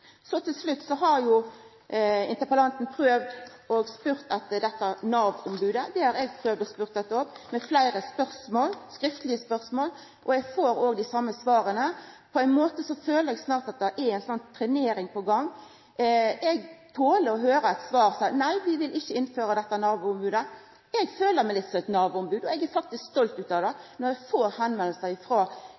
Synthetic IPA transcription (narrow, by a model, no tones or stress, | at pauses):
sɔt̪ʰɪlslʉt̪ːsɔɦɑɾjʊ | ɪ̰nt̪əpəlɑnt̪n̩pʰʁøːʋd̪ | ʔoːɡspʉɾt̪ɑt̪d̪ɛt̪ːəæɾnɑːʋɔmbʉːd̪əd̪ɛhɑɾɛɡ̚pʰʁøːʋd̪ɔspʉːʁt̪̚d̪ɛt̪ːəɔpmɛflæɪɾəspœʁsmoːlskɾɪft̪əlɪəspœʁsmoːl | ʔɔɛɡfoːɾoːɡd̪ɪsɑmːəsʋɑːɾənə | pʰɔæɪnmoːt̪əsɔføːləɾɛɡsnɑːʁt̪ɑt̪̚d̪ɛʔɛɾæɪnsɔnt̪ʰɾɛneːɾɪŋpɔɡɑŋː | ɛɡt̪ʰoːləɾɔɦøːɾəɛt̪sʋɑːɾsɑnæɪʋɪʋɪlɪçːəɪnføːɾəd̪ɛt̪ːənɑːʋəʊmbʉːd̪ə | ɛɡføːləmɛɪlɪt̪sɔmɛt̪nɑːʋəʊmbʉːd̪ɔɛɡæɾfɑk̚t̪ɪskst̪ɔlt̪ʉːt̪ɑʋd̪ɛnɔɾjɛɡfoːɾhɛnmɛlːəsəɪfɾoː